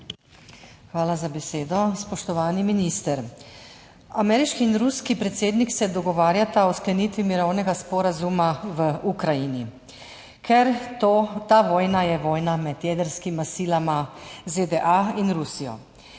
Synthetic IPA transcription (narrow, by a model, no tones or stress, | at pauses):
xʋaːlazabɛseːd̪ɔspɔʃt̪ɔʋaːniminiːst̪ɛɾ | amɛːɾiʃkiːnɾuskipɾɛt̪seːd̪niksɛd̪ɔɡɔʋaːɾjat̪aɔsklɛnit̪ʋimiɾɔwnɛɡaspɔɾazumaʋəukɾajini | kʰɛɾot̪aʋɔːjnajɛʋɔːjnamɛd̪jɛd̪əɾskimasiːlamazed̪ɛʔainɾusijɔ̰